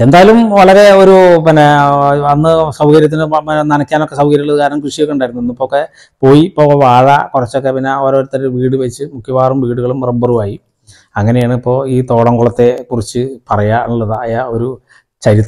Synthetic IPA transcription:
end̪aːjɐlumʋɐɭɐɾe̞o̞ɾupinːeɐnːɨsɐwɡɐɾjɐt̪̬ːinɨnɐnɐkʲːaːnokːesɐwɡɐɾjɐulɭːɐðɨkaːɾɐnɐmkruʂijokːeuɳɖaːiɾunːuenːuipːoːokːe̞ | po̞ːjipːo̞ːɣɐʋaːɻɐ̰kurɐt͡ɕːo̞kːepinːeoːɾooɾut̪ːɐɾʋiːɽɨʋɐit͡ɕːɨmukʰjɐʋaːrumʋiːɽuɣɐɭumrɐbɐrumaːji | ɐŋːɐne̞jaːɳɨipːo̞ːiːt̪o̞ːɽɐŋɡuɭɐt̪ːe̞kurit͡ɕːɨpɐrɐjanuɭːɐðaɐjaːo̞ɾu | t͡ɕɐɾit̪ː

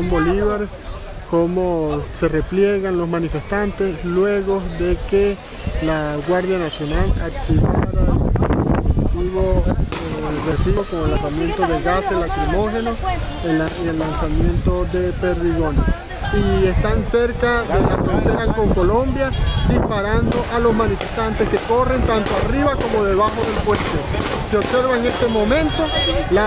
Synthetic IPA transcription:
mboliβaɾes | komoserepljeɣanlosmanifest̪ant̪eslweɣoðeke | laɣwaɾðjanasjonalakt̪iβaɾa | t̪iβoeresiokomoelasamje̞nt̪oðelɣaselakɾimoxenoeaielːansamje̞nt̪o̞ðe̞pe̞ɾðiɣone | ie̞st̪anse̞ɾkaðe̞lafɾont̪e̞ɾako̞ŋko̞lõ̞mbjad̪ispaɾand̪o̞ʔalo̞zmanife̞st̪ant̪e̞ske̞ko̞re̞nt̪ant̪oariβako̞mo̞ðe̞βaxo̞ðe̞lpwest̪o | seo̞bse̞ɾβaeŋe̞st̪e̞mo̞mẽ̞nt̪o̞la

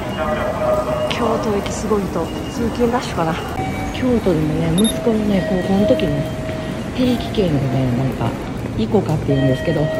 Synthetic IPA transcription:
kʲʰo̞ːt̪o̞ekʲi̥sɨɡo̞it̪o̞ | t͡sɨːkʲĩnd̪aɕo̥kana | kʲʰo̞ːt̪o̞d̪e̞mo̞ne̞mɯ̟sɨ̥ko̞none̞ko̞ːkonot̪o̞kʲimone | t̪e̞ːkʲi̥kẽ̞ŋɡone̞nãŋka̰ | iko̞kat̪ːe̞jɯ̟̃nd̪e̞sɨ̥ke̞d̪o̞

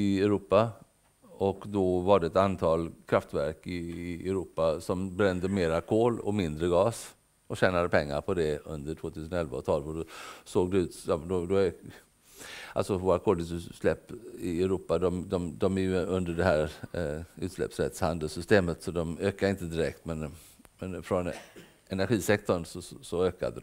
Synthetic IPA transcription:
ɪɛɾuːpːa | ɔkd̪ɔvaɖɛɛt̪ant̪ʰɑːlkʰɾaft̪væɾkɪɛɾuːpasɔmbɾɛnd̪əmeːɾakʰoːlɔ̰mɪnd̪ɾəɡɑːs | ʔɔɕæːnad̪əpʰɛŋːa̰ɾpʰɔd̪ɛɵnd̪əʈʰv̥oːt̪ʰʉsənɔɛlvaɔt̪ʰɑːlvɔɖɔsoːɡ̚d̪ɛʉ̟ːt̪ɑd̪ɔd̪ɔ | a̰lsɔvoːɾakʰoːlʉsʉslɛpːɪɛɾuːpːad̪ɔmd̪ɔmd̪ɔmæɾjɵɵnd̪əɖɛɦæːɾ | ʉ̟ːt̪slɛ̰psɾɛ̰t̪shand̪əlsʏst̪eːmət̪sɔd̪ɔmøːkaɾɪnt̪əd̪ɪɾɛ̰k̚t̪mɛn | mɛnfɾɔn | ɛnæɾɧiːsɛk̚t̪ɔɳsɔsɔøːka̰d̪əd̪

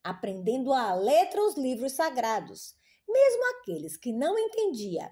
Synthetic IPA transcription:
apɾẽnd̪ẽnd̪ʊalet̪ɾɐʊzlivɾʊsːaɡɾad̪ʊs | mezmʊakelɪskɪnɐ̃w̃ẽnt̪ẽnd͡ʒiɐ̰

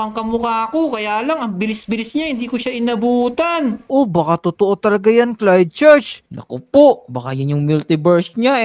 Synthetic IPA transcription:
ɐŋkɐmʊkaːkokɐjaːlɐŋɐŋbɪlɪsbɪlɪsɲahɪnd̪iːkoʃaʔɪnɐbuːt̪anʔo̞bɐkat̪ot̪oʔo̞t̪ɐlɐɡajanklajd̪̚t͡ʃɛɹt͡ʃnɐ̰kopoʔbɐka̰janjʊŋmult̪ɪbɛɹsɲa

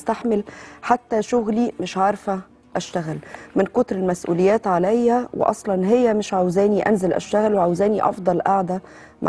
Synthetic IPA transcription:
st̪aħmelħat̪ːæʃʊɣlimɪʃʕɑɾˤfæ | ʔæʃt̪æɣælmɪnqot̪ɾelmæsʔṵːlejːæːt̪ʕalæjhæwḛʔɑ̰sˤlɑnɦejːæmɪʃʕawzæːniʔæ̰nzælʔæ̰ʃt̪æɣælweʕawzæːniʔɑ̰fd̪ˤɑlʔaʕd̪æ | mʔ

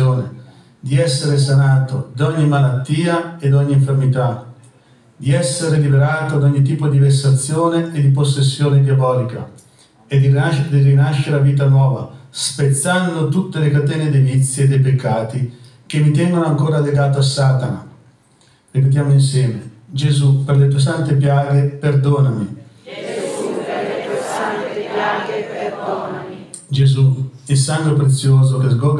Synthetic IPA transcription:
oːnḛ | d̪iɛsːeɾes̬anaːt̪od̪ɔɲːimalat̪ːiːaed̪ɔɲːiɱfermit̪a | d̪iɛsːeɾelibeɾaːt̪od̪ɔɲːit̪̬ːiːpod̪ivesat̪sːjoːneed̪iposːesːjoːned̪eobɔːlika̰ | ed̪id̪irinaʃːeɾeaviːt̪̬anwɔːva̰spet̪sːand̪ot̪ut̪ːelekat̪ɛːned̪evit̪sːjied̪ejpekʰːaːt̪i | k̟emit̪̬ɛŋɡonʊaŋkoːɾaleɡaːt̪oasːaːt̪ana̰ | ripet̪̬jaːmʊins̬jɛːmed͡ʒezupeɾlet̪uːes̬ant̪ep̬jaːɡepeɾd̪oːnami | d͡ʒezuisaŋɡepɾet̪sːjoːzokezɡɔɡ

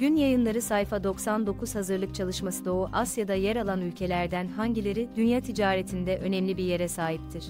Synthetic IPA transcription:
ɟ̥ynjajɯnlˠaɾɯsajfad̪o̞ksand̪o̞kʰuz̥hazɯɾlˠɯk̚t͡ʃʰalˠɯʃmasɯd̪o̞uʔasjad̪ajɛɾalˠanylʲcʰe̞lʲæɾd̪ænhaɲɟilʲe̞ɾid̪ynjat̪ʰid͡ʒaːɾet̪ʰind̪ɛʔø̞nɛmlʲibiɾje̞ɾɛsaːɦip̚t̪ʰiɾ̝̥

